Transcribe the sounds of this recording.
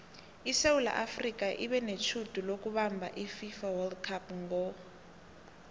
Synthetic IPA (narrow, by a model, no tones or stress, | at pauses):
iseula̰ʔafrikaʔiβɛnet͡ʃʰutʼulok̬uβambʱa̰ʔififawɛldkʰapŋɡɔ